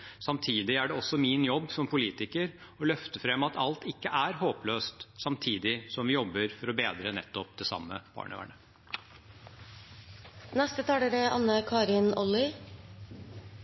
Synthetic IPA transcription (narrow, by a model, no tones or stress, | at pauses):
sɑmt̪ʰiːd̪ɪæɖɛɔsːɔmiːnjɔbːsɔmpʰʊliːt̪ɪkəɾɔlœft̪əfɾɛmːɑt̪ʰɑlt̪ɪkːəʔæɾhoːpløːst̪sɑmt̪ʰiːd̪ɪsɔmʋɪjɔbːəɾfɔɾɔbeːd̪ɾənɛ̰t̪ːɔp̚d̪ɛsɑ̰mːə̰b̥ɑ̰ːɳə̰ʋæ̰ɳə | nɛst̪ət̪ʰɑːləɾəʔɑ̰nːəkʰɑːɾɪnɔlɪ